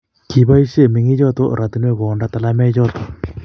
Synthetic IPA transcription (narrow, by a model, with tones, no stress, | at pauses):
ki˨˦ba˦i˦ʃe˦˨mi˨ŋi˦t͡ʃɔ˦t̪o˦ɾa˨t̪i˦nwe˦ko˨nda˦t̪a˨la˦mɛ˦t͡ʃɔ˦t̪o˨